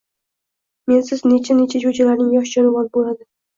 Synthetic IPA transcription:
me̞nsɪznet͡ʃʰanet͡ʃʰad͡ʒod͡ʒalaɾnɪŋjɒʃd͡ʒɒnʊʁɒnbolˠad̪ɪ

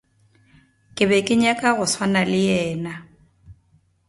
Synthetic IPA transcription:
kʼɪbɛkʼɪɲakʼaɣʊswanalɪjɛːna

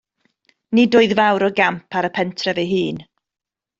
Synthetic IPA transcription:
nidʊɨðvawɾɔɡampʰaɾəpʰɛntʰrɛvɛjɦɨːn

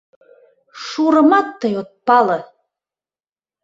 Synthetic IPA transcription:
ʂuːɾɤmɑt̪ːajot̪̚pɑlɤ

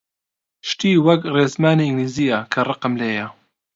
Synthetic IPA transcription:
ʃt̪iːwɐkreːzmaːniɪŋɡliːziːjɐkʰɐrɨqɨmleːjɐ

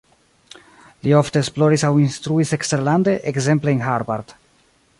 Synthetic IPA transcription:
lio̞fte̞ːsplo̞ɾisawinst̪ɾuisekste̞ɾlande̞ʔekze̞mpleenɦaɾbaɾd̥

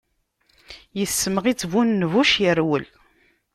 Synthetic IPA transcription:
jəθsːəməʁit͡sːvunːvuʃjəɾwəl

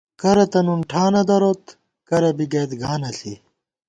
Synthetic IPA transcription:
kɐɾɐt̪ɐnunʈʰaːnɐd̪ɐɾot̪ | kɐɾɐbiɡeːt̪ɡaːnɐsi

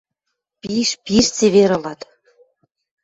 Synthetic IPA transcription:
piʃpiʃt͡seβeɾɤ̆lɑt̪

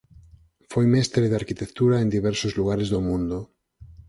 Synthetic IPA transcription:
fojmɛst̪ɾeðaɾkit̪ekt̪uɾaend̪iβ̞ɛɾsozluɣ̞aɾezðomũnd̪o

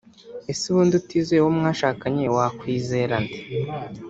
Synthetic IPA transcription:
esiβuːndutizewomŋaːʃaːkaɲewakwiːze̞ɾandi̥

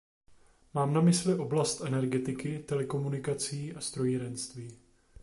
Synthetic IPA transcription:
maːmnamɪslɪʔo̞blast̪ʔɛnɛɾɡɛt̪ɪkɪt̪ɛlɛko̞munɪkat͡siːʔast̪ɾo̞jiɾɛnst̪viː

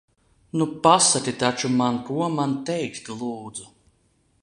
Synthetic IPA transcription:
nupasat̪ʲit̪at͡ʃumankuɔmant̪ɛjkt̪lˠuːd̪zu

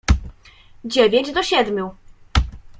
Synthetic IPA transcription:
d͡ʑevʲeɲd͡ʑd̪ɔɕɛd̪mʲju

